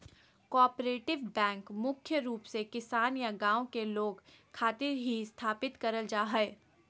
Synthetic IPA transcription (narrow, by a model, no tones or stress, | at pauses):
kɔːpɾeːʈɪʋbɛ̃ːŋkmʊkʰjəɾuːpsekɪsaːnjaɡãːõkeloːɡkʰaːt̪ɪɾɦiɪst̪ʰaːpɪt̪kɐɾəld͡ʒaːɦɛː